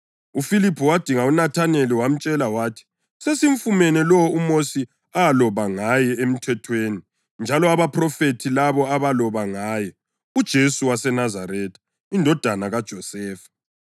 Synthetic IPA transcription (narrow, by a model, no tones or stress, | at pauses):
ufilipʰɔwad̥ʱiŋaunatʰaneliwam̩t͡ʃʼɛlawaːtʰi̥ | sesiɱfumɛnɛlɔumosi | aalɔβaŋajɛem̩tʰɛtʰweːni | nd͡ʒʱalɔaβapʰrɔfetʰilaβɔaβalɔβaŋaːjɛ | ud̥ʒ̥ʱesuwasɛnazaɾɛːtʰḁ | indʱɔd̥ʱanaɣad̥ʒ̥ʱɔsɛːfḁ